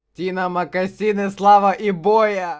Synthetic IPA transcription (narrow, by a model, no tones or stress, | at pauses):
t̪ʲinɐmɐkɐsʲinɨslˠavɐʔibojɐ